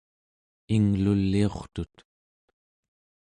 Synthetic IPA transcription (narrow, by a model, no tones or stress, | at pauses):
iŋlulːio̞χt̪ut̪